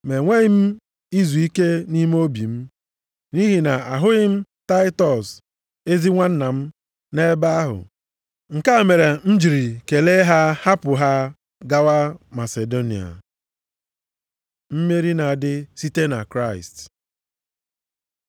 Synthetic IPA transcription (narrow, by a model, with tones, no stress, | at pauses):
me˨ŋʷe˦ɪ˦m̩˦ | i˦zu˨i˦ke˦ni˦m˦o˦bi˨m̩˦ | ni˦ɦi˨na˨a˨ɦʊ˦ɣɪ˦m̩˦ta˦ɪ˦tɔ˨s | e˦zi˦ŋʷa˦n̩˦na˨m̩˦ | ne˦ba˦a˦ɦʊ̰˨ | ŋ̩˨ka˦˨me˨ɾe˨n̩˦d͡ʒi˨ɾi˨ke˨le˦ɦa˦ha˦pʊ˨ɦa˦ | ɡa˦wa˦ma˨se˨do˦nḭ˨a̰˨ | m̩˦me˦ɾi˦na˨dɪ˦si˦te˦na̰˨kɾa˦ɪ̰˨st